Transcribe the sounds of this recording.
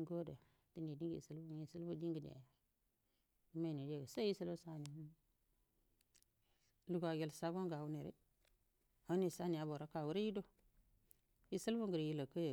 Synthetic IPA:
ɡo˦da˨ | ti˦ni˨di˦ɡḭ˨si˦lbu˦i˨si˦lbu˦di˦ŋɡi˨dḛ˨ja˨ | i˦me˦˨ni˨d͡ʒe˦˨ɡsa˦ji˦si˦lu˦sa˦˨ni˨˦ | lu˨ɡa˨ɡe˨lsa˦ɡo˦ŋɡa˨wu˦ne˨ɾḛ˦ | a˨˦ni˨sa˦ni˨ja˨bo˨ɾa˦ka˨wu˦ɾe˦ji˦do˦ | i˦sə˦lbu˦ŋɡə˨ɾi˨ji˦la˨kə˦je˨

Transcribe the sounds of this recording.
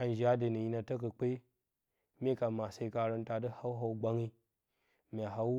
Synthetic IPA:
a˨n˨d͡ʒi˨a˦də˨nə˨ji˦na˨tə˦k̬ə˨k͡pe˦ | me˦ka˨ma˨sa˨i˦ka˨ɾə˦nta˨də˦ha˦wɦa˦u˦ɡ͡ba˦ŋi˦ | mʲ˨a˨ɦa˦w

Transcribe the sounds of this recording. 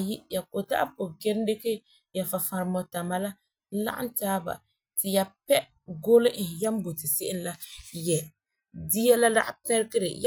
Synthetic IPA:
ji˦ja˨ko˨ta̰˦ʔa̰˦po˨ɡɛ˦n˦de˦ke˦ | ja˨fa˨fa˨ɾmɔ˨ta˨ma˨la˦ | la̰˦ʔa̰˦ntaː˦ba̰˨ | tɪ˨ja˨pɛ˦ | ɡo˦lɪ˦ʔ̩˨ja˦mbo˨tɪ˨sɪ˦ʔɪ˦n˦la˦jɛ˨ | di˦ɛ˦la˦da̰˦ʔpɛ˦ɾkɪ˦ɾɪ̰˨j

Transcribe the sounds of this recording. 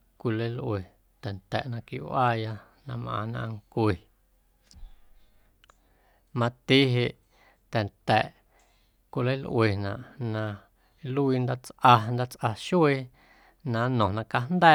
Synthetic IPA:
kʷi˧lə˦lʔwe˨ | t̪ɛ˨nt̪ɛ̰˨ʔnã˧kḭ˧ʔwaː˦ja˧ | nã˧mʔã̰ː˧nã̰˧ŋkʷe˨ | mã˧t̪i˦ɦe˧ʔ | t̪ɛ˨nt̪ɛ˨ʔ | kʷi˧lə˦lʔw̰e˨nã̰˨ʔnã˧ | lu˦i˧nd̪a˦t͡sʔa˧nd̪a˦t͡sʔa˧ʃu˦e˧ | nã˧˦nɔ̃˨nã˧ka˧nd̪ɛ˦

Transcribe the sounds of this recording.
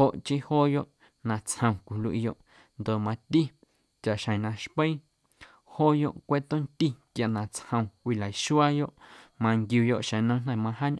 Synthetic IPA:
ho˨ʔt͡ʃi˦hoː˦jo˦ʔ | nã˧t͡shə̃˧w̃kʷi˨lwʔḭ˧jo˧ʔ | nd̪o˨mã˧t̪i˦ | t͡ʃa˨ʔʃə̃˨nã˧ʃpə˦ | hoː˦jo̰˦ʔkʷe˦t̪o˦nt̪i˦kja˨ʔnã˨t͡shə̃˧w̃kʷi˧˨la˨i˨ʃu˦a˦jo˦ʔmã˧ŋɡjuː˧jo˧˨ʔʃə̃˨nə̃˦n̥ã˨mã˧ɦa˦ɲʔ

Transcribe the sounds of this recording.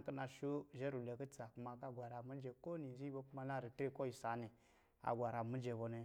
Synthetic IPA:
ki˦na˧ʃu˦ʒe˦ɾu˨le˨kə˦t͡sa˨ku˨˦ma˨ka˦ɡʷa˨ɾa˨mi˦d͡ʒe˨ko˦ni˨zi˦bo˦ku˦ma˦˧na˦ɾi˨tɾe˦ko˦ji˨sa˨˦ne˨ | a̰˨ɡʷa˨ɾa˨mi˦d͡ʒe˨bo˧ne˧

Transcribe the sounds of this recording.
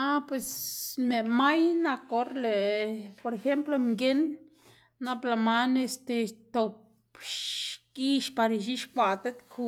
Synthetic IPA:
a˦pwe˨sme˨ma˦jna˧ko˧ɾle˨po˧ɾe˧xe˦mplo˧mɡe˦nː | a˦pla˧ma˦ne˧st̪e˧t̪o˨p | ʃki˦ʃpa˧ɾi˧ʃ̬i˦ʃkʷa˨t̪e˦t̪kʰu˧

